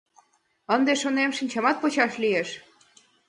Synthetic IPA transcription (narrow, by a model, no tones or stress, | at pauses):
ənd̪eʃonemʃinʲt͡ɕɑmɑt̪̚pot͡ɕɑʃlieʃ